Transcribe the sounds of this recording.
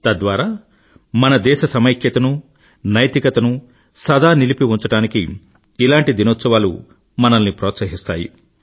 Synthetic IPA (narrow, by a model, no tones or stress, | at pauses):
t̪ɐd̪ʋaːɾaː | mɐnɐd̪ɛːʃɐsɐmɐjkʰjɐt̪ɐnu | nɐjt̪ikɐt̪ɐnu | sɐd̪ʱaːnilipiuɲt͡ʃɐʈaːniki | ilaːɳʈid̪inoːt̪sɐʋaːlṵ | mɐnɐnːipɾɔːt̪sɐɦist̪aːjḭ